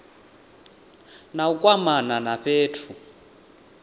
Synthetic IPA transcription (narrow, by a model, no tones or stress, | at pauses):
naukʼwamananaɸʰeːtʰu